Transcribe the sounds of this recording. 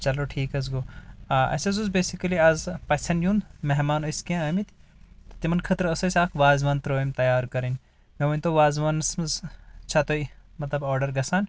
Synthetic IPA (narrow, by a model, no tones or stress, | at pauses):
t͡ʃɐloʈʰiːkɐz̬ɡoːʔɐ̰sɐzuzbeːsikɐliɐzpɐsɐnjund̪meɦmaːnoiskiãɐmit̪t̪t̪imɐnkʰɐt̪ɾɐsɐsʲaːkʰʋaːzʋaːnt̪ɾoːimt̪ɐjaːɾkɐɾinʲ | meʋɐnʲt̪oʋaːzʋansmɐzt͡ʃʰat̪oimɐt̪lɐbɔːɾɖɐɾɡɐsaːn